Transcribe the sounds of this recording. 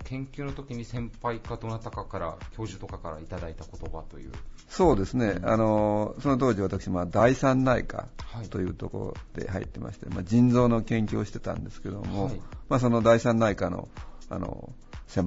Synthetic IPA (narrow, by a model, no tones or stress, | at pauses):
kʰẽ̞ŋkʲɨːnot̪o̞kʲiɲ̟isẽ̞mpaikad̪oːnat̪ːakakaɾa̰kʲo̞ːʑɨt̪o̞kakaɾait̪ad̪ait̪ako̞t̪o̞bat̪o̞jɯ̟̰ːso̞ːd̪e̞sɨne̞a̰no̞so̞not̪̬oːʑiβat̪akɯ̥ɕimad̪aisãnːaḭka̰hat̪o̞jɯ̟ːt̪o̞ko̰ɾo̰d̪̥e̞̰haḭt̪ːe̞mʔa̰ɕi̥t̪e̞ma̰d͡ʑĩnd͡zo̞ːno̞kẽ̞ŋkʲoːɕi̥t̪e̞t̪ã̰nd̪e̞sɨ̥ke̞d̪o̞̰mo̞mas̬o̞no̞d̪aisãnːaikano̞̰a̰no̰ | sẽ̞m